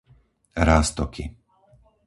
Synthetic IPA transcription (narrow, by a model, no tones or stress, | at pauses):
ɾaːst̪ɔkʰḭ